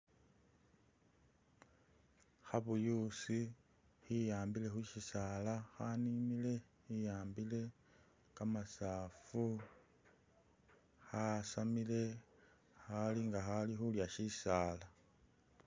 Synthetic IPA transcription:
xaβujusi | hijaːmbile̞xuʃisaːlaxanimile̞ | hijaːmbile̞ | kamasaːfu | xasamile̞ | xaliŋɡaxalixuljaʃisaːla

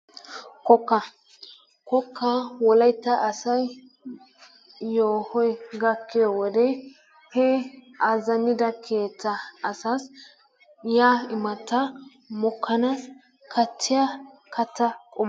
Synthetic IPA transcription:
kɔkːɐ | kɔkʰːɐwɔlɐjt̪ːɐʔɐsɐj | oːhɔjɡɐkːɪjowɔd̪ɛ | hɛ | azɐnɪd̪ɐkʰe̞ːt͡sːɐːsas | jaːɪmɐt̪ːɐ | mɔkʰːɐnas | kʰɐt͡sːɪjakʰɐt̪ːɐkʼɔm

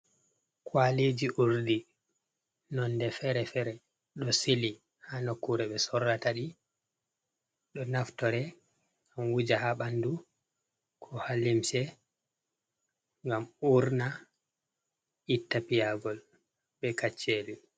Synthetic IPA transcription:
kwaled͡ʒiʔuɾdi | nɔndɛfɛɾɛfɛɾɛ | ɗɔsili | hanokːuɾɛɓɛsɔɾːataɗi | ɗɔnaftɔɾɛ | anwud͡ʒahaɓandu | kʰɔhalimsɛ | ŋɡamuɾna | itːapijaɡɔl | ɓɛkat͡ʃːeli

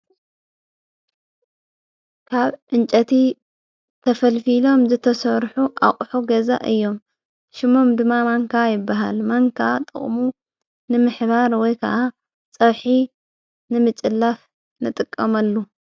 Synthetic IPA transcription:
kʰaβʔɨnt͡ʃʼɐt̪ʰi | t̪ʰɐfɐlfilo̞mzɨt̪ʰɐsɐɾħuʔaχʼħuɡɐza̰ʔɨjːo̞m | ʃɪmo̞md̪ɨmːamaŋkʰajɪbːaɦa̰lmaŋkʰat̪ʼɨ̰χʼmu | nɨmɨħbaɾwɔjkʰɐ̰ʔa | t͡sʼɐβħi | nɨmɨt͡ʃʼɨlːaf | nɨt̪ʼɨkʼːɐmɐlːu

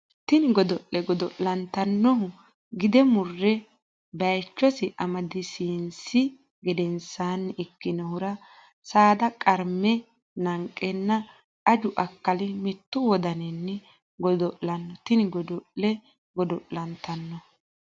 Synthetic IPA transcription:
t̪ɪnɪɡɔd̪ɔʔːɛɡɔd̪ɔʔlɐnt̪ɐnːɔhʊ | ɡɪd̪ɛmʊrːɛ | bɐjt͡ʃːɔsɪʔɐmɐd̪ɪsiːnsɪ | ɡɪd̪ɛnsaːnːɛɪkːɪnɔhʊɾɐ | saːd̪ɐkʼɐɾmɛ | nɐŋkʼːɛnːɐ | kɐd͡ʒʊʔɐkːɐlɪmɪt̪ːʊwɔd̪ɐnɛnːɛ | ɡɔd̪ɔʔlɐnːɔt̪ɪnɪɡɔd̪ɔʔlɛ | ɡɔd̪ɔʔlɐnt̪ɐnːɔ

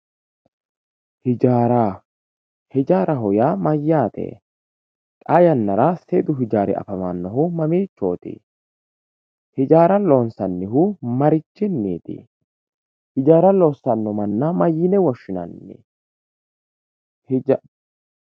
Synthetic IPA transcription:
hɪd͡ʒaːɾa | hɪd͡ʒaːɾɐɦɔjaːmɐjːaːt̪ḛː | kʼajɐnːɐɾaseːd̪ʊɦɪd͡ʒaːɾɪ̰ɐ̰fɐmanːɔɦʊmɐmiːt͡ʃːo̞ːt̪ɪ̰ | hɪd͡ʒaːɾɐlo̞ːnsɐnːɪɦʊmɐɾɪt͡ʃːɪnːiːt̪ɪ̰ | hɪd͡ʒaːɾɐloːsːɐnːɔmɐnːɐmɐjːɪnɛwɔʃːɪnɐ̰nːɪ̰ | h

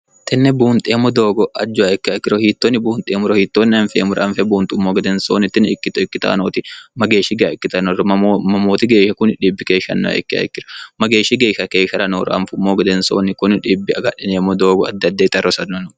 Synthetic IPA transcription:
t̪ʰɛnːɛbuːnt̪ʼeːmːɔd̪oːɡɔʔɐd͡ʒːʊɐɛkːɪɐkːɪɾɔhiːt̪ːoːnːɪbuːnt̪ʼeːmʊɾɔhiːt̪ːoːnːɪɐnfeːmʊɾɐnfɛbuːnt̪ʼʊmːoːɡɐd̪ɛnsoːnɪt̪ːɪnkːɪt̪ɪkːɪt̪ɐ̰ːnoːt̪ɪmɐɡeːʃɪɡɐɪkːɪt̪ɐnɔrɐmɐmoːt̪ɪɡeːʃɐkʊnᶑiːbːɪkeːʃɐ̰nːɔ̰ɐ̰ʔɛ̰kːɪɐ̰kːɪɾɔ̥mɐɡeːʃɪɡeːʃɐkeːʃɐɾɐnoːɾɐ̰ʔɐ̰nfmːoːɡɐd̪ɛnso̰ːnːɪkʊnᶑiːbːɪɐɡɐᶑɪneːmːɔd̪oːɡɔɐd̪ːɐd̪ːeːt̪ɐrɔsɐnːɔnɔ

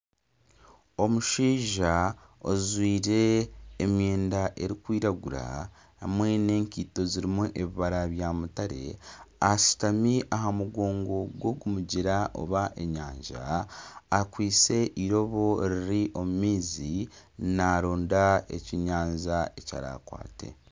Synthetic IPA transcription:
o̞muʃiːʒaozwiːɾe̞ːmje̞ːndaʔe̞ɾikwiːɾaɡuɾa̰ | hamwe̞ne̞ːŋkiːto̞ziɾimuʔeβiβaɾaβjaːmutaɾe̞̰asi̥tamiʔaɦamuɡoːŋɡo̞ɡwo̞ɡumuɟiɾaʔo̰βaʔe̞ɲaːɲʒa̰ː | kwiːt͡se̞ʔiɾo̞βo̞ɾiɾiʔo̞mumiːzinaɾoːndaḛciɲaːɲzaeca̰ɾa̰kwa̰ːte̞̰

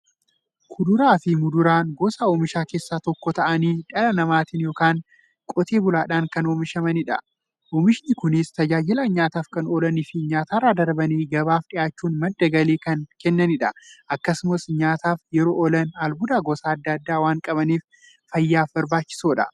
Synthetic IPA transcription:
kʰʊd̪ʊɾaːfɪmʊd̪ʊɾaːnɡoːsaoːmɪʃaːke̞ːsːaːt̪ɔkːɔt̪ɐʔɐniːᶑɐlɐnɐmaːt̪ɪnjoːkaːŋ | kʼɔt̪ʰeːbʊlaːᶑaːŋkɐnoːmɪʃɐmɐnɪᶑɐ | ʔoːmɪʃɪnɪkʊnɪst̪ɐd͡ʒaːd͡ʒɪlɐɲaːt̪aːfkɐnoːlɐnɪfɪɲaːt̪aːrːaːd̪ɐɾbɐniːɡɐbaːfᶑɪjaːt͡ʃːuːnmɐd̪ːɐɡɐleːkɐnkɛnːɐnɪᶑɐʔɐkːɐsʊmɐsɲaːt̪aːfjɛɾoːʔɔlɐnalbʊd̪aːɡoːsaːɐd̪ːɐɐd̪ːaːwaːŋkʼɐbɐniːf | fɐjːaːfbɐɾbaːt͡ʃːɪ̥soːᶑɐ̰

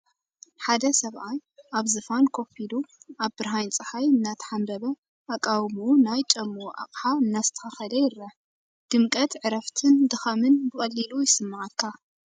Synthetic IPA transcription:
ħad̪ɐsɐβʔajʔaβzɨfankʰo̞filuʔaβbɨɾɦajnt͡sʼɨħajɨnːat̪ʰħambɐβɐ | ʔakʼawmunajt͡ʃʼɐmːuʔa̰qʼħaɨnːazɨt̪ʰɐ̥xɐxɐlɐjɪɾɐʕ | d̪̥ɨmkʼɐt̪ʕɨɾɐft̪ʰɨnd̪ɨxɐmɨnbɨkʼɐlːilujɪsɨmːaʕakʰːa

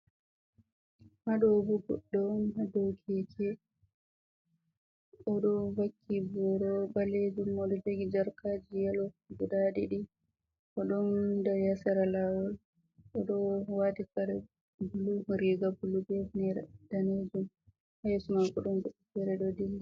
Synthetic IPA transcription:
haɗɔbuɡɔ̰ɗːɔnhadokʰɛd͡ʒɛ | ʔɔɗɔvakːibɔɾɔbaled͡ʒumɔɗɔd͡ʒeɡid͡ʒaɾkaːd͡ʒijɛlɔɡuɗaɗiɗi | ʔɔɗɔndɔjasaɾalawɔl | ɔɗɔwatikaɾɛ | buluɾiɡabulubɛfnɛɾɛd̥aned͡ʒum | hajɛsumakɔɗɔnɡuɗɛkɛɾɛɗɔdilː

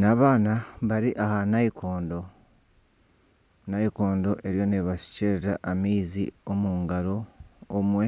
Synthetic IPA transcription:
naβaːnaβaɾiʔahanaikʰoːndo̞ | naiko̞ːndo̞ʔe̞ɾjo̞neβasi̥ceɾeɾaʔːmiːzḭomuːŋɡaɾo̞ːmwe̞

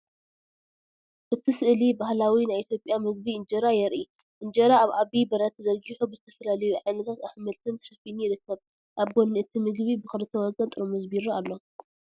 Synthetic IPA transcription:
ʔɨt̪ʰisɨʔlibahlawinajit̪ʰjo̞pʼjamɨɡ̚biɨnd͡ʒɐɾajɛɾʔi | ʔɨnd͡ʒɐɾaːβʔaβibɐɾɐt̪zɐɾɡiħubɨzɨt̪ʰɐfɐlalɐjuʕajnɐt̪ʰat̪aħmɐlt̪ʰɨnt̪ʰɐ̥ʃɐfinujɪɾɨkːɐβ | ʔaβɡonːɨʔɨt̪ʰimɨɡβibɨxɨlɨt̪ʰɐwɔɡɐnt̪ʼɨɾomɨzbiɾualːo̞

